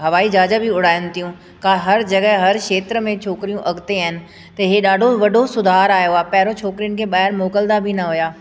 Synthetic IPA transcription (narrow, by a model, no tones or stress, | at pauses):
ɦɐʋaːid͡ʒaːd͡ʒəbʱiʊɽ̤aːjə̃n̆t̪ijũ | kaːɦɐɾd͡ʑɐɡəɦɦɐɾʃeːt̪ɾəmẽt͡ʃʰoːkɾijũʔɐɡʱt̪eaːɦɪnɪ̆ | t̪ɐɦeɗaːɖʱoʋɐɖʱosʊd̪ʱaːɾaːjoaːpɛɦɪɾot͡ʃʰoːkɾijənɪ̆kʰeɓaːɦɪɾmoːkəld̪abʱinɐɦʊjaː